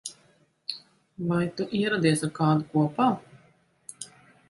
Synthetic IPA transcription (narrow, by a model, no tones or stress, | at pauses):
vajt̪uʔiɛɾad̪iɛsaɾkaːd̪ukuɔpaː